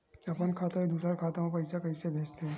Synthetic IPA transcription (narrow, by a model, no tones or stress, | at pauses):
ɐpənkʰaːt̪aid̪uːsaɾkʰaːt̪amãpɐɪsakɐɪsebʱeːt͡ʃt̪eɦɛ